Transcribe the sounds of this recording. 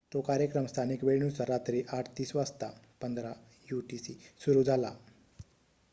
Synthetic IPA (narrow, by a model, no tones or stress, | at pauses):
t̪okaɾjəkɾəmst̪ʰanikʋeɭɳut͡saɾat̪ɾiʔaʈʰt̪iːsʋast̪a | pənd̪ɾa | juʈisisuɾuːd͡zʱala̰